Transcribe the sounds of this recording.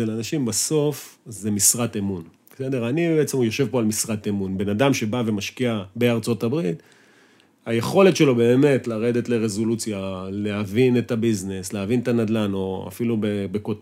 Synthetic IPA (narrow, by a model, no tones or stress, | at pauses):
elanaʃimbaso̞fze̞misʁatemunbse̞de̞ʁanibeet͡semjo̞ʃe̞vpo̞almisʁat̪emunbe̞nadamʃe̞bave̞maʃkiabe̞aʁt͡so̞tabʁit | haje̞χo̞le̞tʃe̞lo̞be̞ːme̞tlaʁe̞d̪e̞tle̞ʁezo̞lut͡sjaleɦavine̞tabiznesleavint̪anad̪lano̞a̰filubebekot